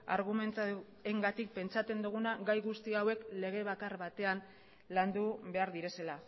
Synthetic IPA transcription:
a̰ɾɣume̞nt̪ | e̞ŋɡat̪ik̚pe̞nt͡sat͡s̪e̞nd̪uɣ̞unaɡajɣust̪iawe̞kle̞ɣ̞e̞βakaɾβat̪e̞an | land̪uβe̞aɾðiɾe̞se̞la

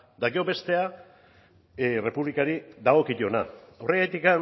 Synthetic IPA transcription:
d̪aɣeo̞be̞st̪e̞a | re̞puβlikaɾid̪aɣ̞o̞kit̪o̞naore̞ɣajt̪ikan

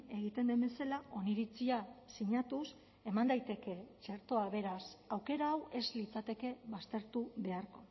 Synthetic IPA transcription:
e̞ɣ̞it̪e̞nd̪embe̞selaʔo̞niɾit͡siasiɲat̪us | e̞mand̪ajt̪e̞ke̞t͡ʃeɾt̪o̞aβe̞ɾasawke̞ɾaːwe̞zlit͡sat̪e̞ke̞βast̪e̞ɾt̪uβe̞aɾko̞

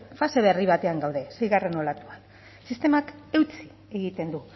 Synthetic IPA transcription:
fase̞β̞e̞riβ̞at̪e̞aŋɡawðe̞sejɣare̞no̞lat̪uan | sist̪e̞make̞wt͡si̥ | e̞ɣit̪e̞nd̪u

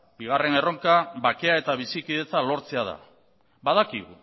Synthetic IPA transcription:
biɣare̞ne̞ro̞ŋkaβake̞ae̞t̪aβ̞isikið̞e̞t͡salo̞ɾt͡se̞að̞a̰ | bað̞akiɣṵ

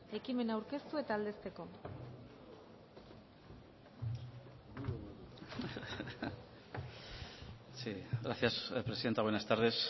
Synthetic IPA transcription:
e̞kime̞nawɾke̞st̪ue̞t̪aːld̪est̪e̞ko̞ | siɣɾaθjaspɾeiðent̪aɣwenast̪aɾðes

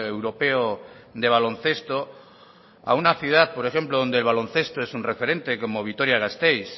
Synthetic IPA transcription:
ewɾope̞od̪e̞β̞alõ̞nθe̞st̪o | a̰unaθjuð̞aθpo̞ɾexe̞mploðo̞nd̪elβalõ̞nθe̞st̪oesunre̞fe̞ɾẽ̞nt̪e̞ko̞moβ̞it̪o̞ɾjaɣast̪ejs

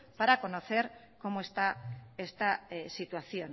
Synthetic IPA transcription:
paɾako̞no̞θe̞ɾ | ko̞moest̪aest̪asit̪waθjo̞n

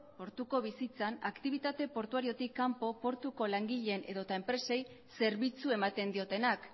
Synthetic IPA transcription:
po̞ɾt̪uko̞β̞isit͡sanakt̪iβ̞it̪at̪e̞po̞ɾt̪uaɾio̞t̪ikːampo̞po̞ɾt̪uko̞laŋɡiʎene̞ðo̞t̪aempɾe̞se̞j | se̞ɾβit͡sue̞mat̪e̞nd̪io̞t̪e̞nak

